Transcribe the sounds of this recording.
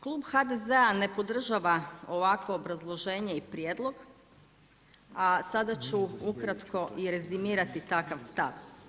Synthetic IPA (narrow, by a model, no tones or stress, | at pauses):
klˠuːbxad̪ezeane̞po̞d̪r̩ʒaʋao̞ʋakʋo̞ːbɾazlˠoʒe̞ːɲeipɾjeːd̪lˠo̞ɡ | asad̪at͡ɕuukɾat̪ko̞ʔiɾe̞zimiːɾat̪it̪akaʋst̪a̰ʋ